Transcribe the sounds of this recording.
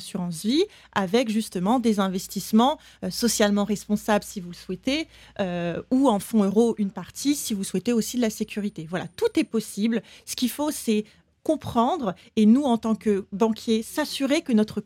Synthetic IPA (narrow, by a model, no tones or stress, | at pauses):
syʁɑ̃svi | avɛkʒyst̪əmɑ̃d̪ezɛ̃vɛst̪ismɑ̃ | øsɔsjalmɑ̃ʁɛspɔ̃sabləsivuləswɛt̪eøuɑ̃fɔ̃øʁoʔynpaʁt̪ʰisivuswɛt̪eosid̪əlasekʲyʁit̪evwala̰t̪ut̪ɛpɔsiblsə̥kʲifosɛ | kɔ̃pχɑ̃d̪ʁ | enuɑ̃t̪ɑ̃kəbɑ̃kʲʰjesasyʁekənɔt̪χə